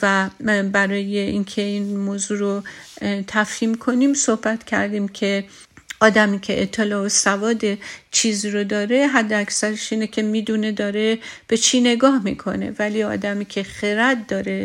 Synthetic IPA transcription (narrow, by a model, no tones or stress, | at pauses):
væbæɾɒːje̞inkʰe̞iːnmoːzuːɾot̪ʰæfhiːmkʰo̞niːmsohbæt̪cʲʰæ̰ɾd̪iːmkʲʰe̞ | ɒːd̪æmikʲʰe̞ʔet̪ʰːelɒːosævɒːd̪e̞t͡ʃʰiːziɾod̪ɒːɾe̞ɦæd̪ːeækʲsæɾeʃiːnekʲʰe̞miːd̪une̞d̪ɒːɾe̞b̥e̞t͡ʃʰiːne̞ɡɒːhmḭkʰo̞ne̞̰væliɒ̰ːd̪æmiːcʰe̞xeɾæt̪̚d̪ɒːɾe̞